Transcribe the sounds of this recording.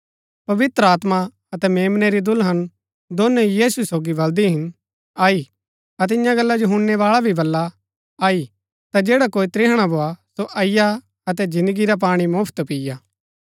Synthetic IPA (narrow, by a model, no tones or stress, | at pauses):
pɐʋɪt̪ɾəaːt̪ma | ɐt̪ɛmeːmneɾid̪ʊlɦɐn | d̪oːnejiːsusoːɡibɐld̪iɦɪn | aːi | ɐt̪̬ɪjãɡɐlːad͡ʒoɦʊ̃nːeʋaːɭabʱibɐlːa | aːi | t̪ad͡ʒeːɽakoːit̪ɾɪɦɽ̃abʱoːasoʔɐɪja | ɐt̪ɛd͡ʒɪ̃nd̪əɡiɾap̬aːɽ̃imʊːpʰt̪pijaː